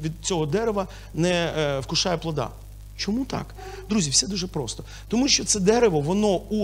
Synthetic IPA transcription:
ʋʲid̪̚t͡sʲɔɦɔd̪ɛɾeʋɐ | nɛwkʊʃɑjɛplˠɔd̪ɑ̰ | t͡ʃɔmut̪ɑ̰k | d̪ɾuzʲiwsɛd̪uʒɛpɾɔst̪ɔ | t̪ɔmuʃt͡ʃɔt̪sɛd̪ɛɾeʋɔʋɔnɔu

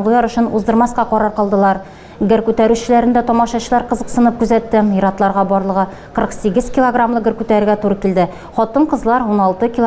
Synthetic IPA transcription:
ɴlɤj̪ɑɾɵ̆ɕɘnuzd̪ɤ̆ɾmɑsqɑqɒɾɑɾqɒlˠd̪ɤ̆lˠɑɾ | ɡɘɾkʉt̪æɾʉɕɘ̆læɾɘ̆nd̪æt̪ɒmɑʃɑɕɤ̆lˠɑɾqɤ̆zɤqsɤ̆nɤp̚kʉzæt̪ːɘmjɤ̆ɾɑt̪lˠɑɾʁɑbɒɾlˠɤ̆ʁɤ | qɤ̆ɾɤqsiɡɘzkʲilˠoɡramlˠɤɡɘ̆ɾkʉt̪æɾɘ̆ɾɡæt̪uɾɤkild̪ɘ | χɒt̪ɤɴqɤ̆zlˠɑɾunɑlˠt̪ɤkʲilˠ

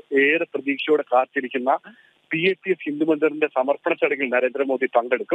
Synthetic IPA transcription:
eːɾɐprɐðiːkʂɐjoːɽekaːrt̪ːiɾikʲːunːɐ | pieːtːijefhind̪umɐnd̪ɐrinde̞sɐmɐrpɐɳɐt͡ɕːɐɽɐŋɡilnɐɾe̞ːnd̪ɾɐmoːðit̪ɐɳɖe̞ɽukːum

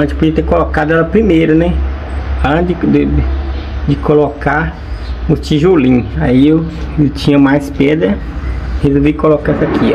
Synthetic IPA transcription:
ɐ̃t̪ɪpod͡ʒiɐt̪ekolokad̪ʊɛlɐpɾimejɾɐnɛ | ɐ̃dɪd̪ɪ | d͡ʒɪkoloka | ʊt͡ʃiʒolĩaiew | t͡ʃĩɲɐmajspɛd̪ɾɐ | hezovikolokaɛsɐkʰi

